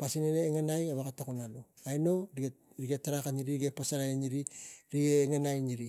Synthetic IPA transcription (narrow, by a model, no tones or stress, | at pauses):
pasineɾeːŋanajaβakatakunalo | ajno̞ɾi | ɾiɡetaɾakatniɾiɾiɡepasaɾaeniɾiɾiɡeːŋanajniɾi